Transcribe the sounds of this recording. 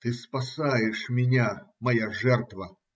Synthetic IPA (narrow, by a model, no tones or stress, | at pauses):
t̪ɨspasajɛʂmʲɪnʲamɐjaʐɛrt̪vɐ